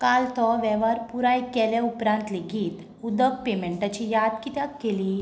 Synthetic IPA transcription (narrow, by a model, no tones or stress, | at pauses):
kalt̪ɔʋɛʋaɾpuɾajkɛljaupɾãnt̪leɡiːt̪ | ud̪ək̚pemɛɳʈat͡ɕijad̪kit̪jakkːeliː